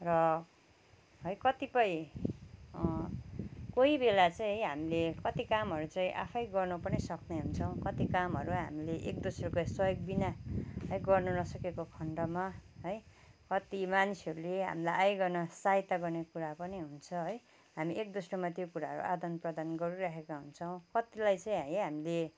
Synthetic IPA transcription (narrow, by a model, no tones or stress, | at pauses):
rʌ | ɦʌjkʌt̪ipʌĩ | koibelat͡sãj̃ɦʌjɦamilekʌt̪ikamɦʌɾut͡saĩʔa̰pʰʌjɡʌrnupʌnisʌkneɦunt͡sʰʌw̃kʌt̪ikamɦʌɾuɦa̰mileʔek̚d̪osrokajswʌjoɡ̚binaɦʌjɡʌrnunʌsʌkekokʰʌɳɖʌmaɦʌj | kʌt̪imanisʌɾuleɦa̰milajʔajɡʌrnʌsaɦit̪ːaɡʌrnekuɾapʌniɦunt͡sʰʌɦʌj | ɦamiʔek̚d̪osromat̪jokuɾaɦʌɾṵʔad̪ʌnprʌd̪anɡʌɾuɾaɦekaɦunt͡sʰʌw̃kʌt̪ilajt͡saĩɦʌjɦamile